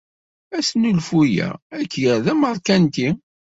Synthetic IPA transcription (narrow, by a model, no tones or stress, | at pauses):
æsnulfujæ̰ækːjəɾðæməɾˤkænt̪i